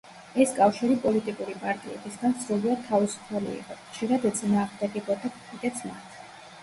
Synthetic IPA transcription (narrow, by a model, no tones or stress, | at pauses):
ɛskʼafʃiɾipʼɔlit̪ʼikʼuɾipʼaɾt̪ʼiɛ̰bisɡansɾuliad̪̚t̪ʰːavisu̥pʰalḭḭqʼɔχʃiɾad̪ɛd̪zʼinaːʁd̪aɡɛbɔd̪akʼɔmʰit̪ʼɛt̪sʰmat̪ʰ